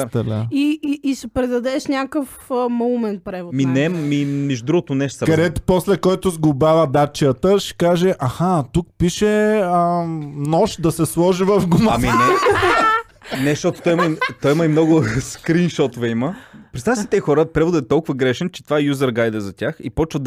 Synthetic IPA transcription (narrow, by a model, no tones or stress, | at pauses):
t̪laiːsɛpɾɛd̪ɐd̪ɛʃnʲakəf | mɐumɛnpɾɛvʊminɛmimɛʒud̪ɾuɡʊt̪oʊnɛʃsɾkɐd̪ɛt̪ʊ̥pɔslɛkɔjt̪ʊzɡʊbavɐd̪at͡ʃiət̪əʃɛ̥kaʒɛʔʔɐxat̪ukpiʃɛənɔʃd̪ɐsɛslˠɔʒivɐfɡʊmaaminɛ | nɛʃt̪ɔt̪o̥t̪ɔjiməit̪ɔjiməimnɔɡʊskɾinʃɔt̪ʊvɛiməpɾɛt̪avjsi̥t̪ɛxɔɾəpɾɛvʊd̪əɛt̪ɔlˠkʊvɐɡɾɛʃɛnt͡ʃɛ̥t̪vaɛjuzɐɾɡajd̪ɛzɐtʲaxḭpɔt͡ʃvəd̪